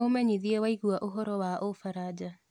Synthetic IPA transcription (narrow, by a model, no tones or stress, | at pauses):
omɛɲiðiewaiɣuaʔoɦɔɾɔwaʔofaɾad͡ʒa